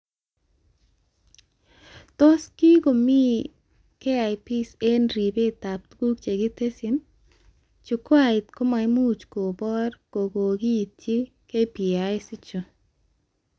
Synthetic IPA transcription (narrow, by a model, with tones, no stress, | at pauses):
to˦ski˦ɡo˨mi˦ | ke˦a˨jpi˦se˦nɾi˨be˦ta˨p̚t̪ɡu˦k̚t͡ʃe˨ɡɪ˦te˦sɪ˨n | t͡ʃu˨ko˦a˦˨ɪ˨t̪ko˦ma˨ɪ˦mu˦˨t͡ʃko˨bɔ˦ɾko˨ɡo˨ɡi˦˨t̚t͡ʃi˦ | ke˦pi˨a˨˦ɪ˦sɪ˦t͡ʃo˨